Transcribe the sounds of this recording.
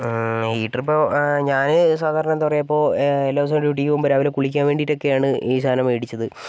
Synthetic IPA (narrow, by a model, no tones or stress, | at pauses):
hiːʈːɐripːoːɲaːnɨs̬aːd̪ʱaːɾnɳɐenɐpɐrejɐpːo̞ːelːoːs̬ɐɖjuːʈ̬ːijumbɐɾaːʋilekuɭik̬ʲːaːnʋeːɳɖiɾo̞kːe̞jaːɳɨiːsʰaːnɐmeːɽit͡ɕːɐðɨ